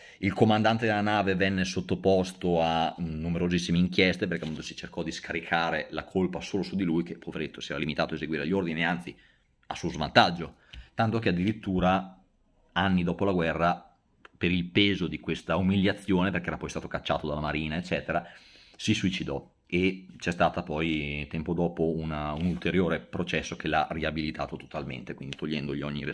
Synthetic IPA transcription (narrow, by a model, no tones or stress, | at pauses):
ilkomand̪ant̪ed̪elanaːvevɛnːesot̪ːopost̪oanːumeɾozisːimeiŋkjɛst̪ep̬eɾrkeamund̪osit͡ʃerkɔd̪iskaɾikʰaːɾelakʰolpasoːlosud̪ilujkepʰoveɾet̪ʰːosiɛːɾalimit̪aːt̪oaezeɡwiːɾeʎːord̪iniant̪i | a̰suozva̰nt̪ad͡ʒːo | t̪ant̪ok̟ead̪ːiɾit̪ːuːɾa | anːid̪ɔːpolaɡwɛrːa | peɾilpeːzod̪ikwest̪aumiljat̪sːjoːneperkeɛɾapɔjst̪aːt̪okat͡ʃːa̰ːt̪od̪alamaɾiːnaet͡ʃːɛːt̪eɾa | sisuit͡ʃid̪ɔ | et͡ʃɛst̪aːt̪apɔjt̪ɛmpod̪ɔːpounaunult̪eɾjoːɾepɾot͡ʃɛsːokelariabilit̪aːt̪ot̪o̥t̪almḛnt̪ekwind̪it̪oʎːɛnd̪oʎiɔɲːiɾe